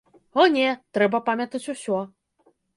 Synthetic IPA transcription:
ɔnʲɛt̪ɾɛbɐpamʲɐt̪ɐt͡sʲusʲɔ

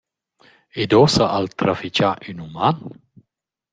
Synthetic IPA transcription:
ed̪ɔsaʔalt̪ɾafit͡ʃaʔynuman

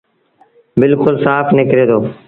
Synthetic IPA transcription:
bɪlkʊlsaːpʰnɪkɾeːt̪oː

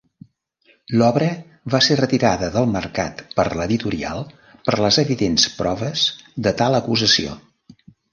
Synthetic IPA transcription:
lɔβɾə | βaserət̪iɾaðəðəlˠmərka̰t̪pəɾləðit̪uɾia̰lˠ | pərləzəβiðenspɾɔβəzd̪ət̪alˠəkuzəsio̰

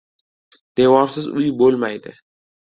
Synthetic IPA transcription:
d̪̥ewɒɾsɪzʊjɪbolmajd̪ɪ̰

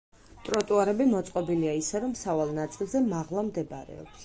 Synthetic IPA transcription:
t̪ʼɾɔt̪ʼuaɾɛbimɔt̪sʼqʼɔbiliaisɛɾɔmsavalˠnat̪sʼilˠzɛmaʁlˠamd̪ɛbaɾɛ̰ɔ̰ps

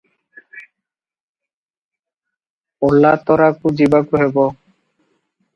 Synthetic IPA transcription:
olːat̪ɔɾakud͡ʑibakuɦebɔ

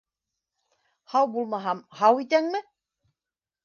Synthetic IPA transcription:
hɑwbulˠmɑɦɑmhɑwit̪æŋmɘ

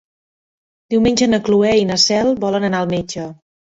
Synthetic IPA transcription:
d̪iwmenʲd͡ʒənəkluɛinəsɛlˠbɔlənənaəlˠmed͡ʒə

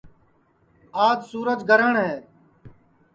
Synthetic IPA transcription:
aːd̪suːɾəd͡ʒɡʱəɾəɳɦɛː

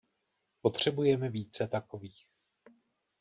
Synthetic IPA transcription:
po̞t̪r̝̥ɛbujɛmɛviːt͡sɛt̪ako̞viːx

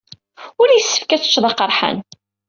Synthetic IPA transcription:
ʊɾjəsːə̥fkæt͡sə̥t͡ʃːðˤɑqːəɾˤħa̰n

